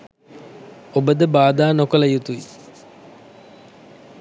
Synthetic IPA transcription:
obəd̪əbaːd̪aːnokələjut̪ui

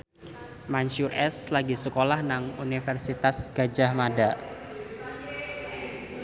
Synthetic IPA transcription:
manʃurɛslaɡisəkolahnaŋunifɛrsit̪asɡ̥ad͡ʒahmada

